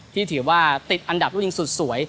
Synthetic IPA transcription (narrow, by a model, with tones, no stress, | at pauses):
t̪ʰiː˥˩t̪ʰɯː˩˦waː˧˩t̪i˨˩t̪̚ʔa˧nda˨˩p̚ɾu˥˩˧i˧ŋsu˨˩t̪̚su˩˦əj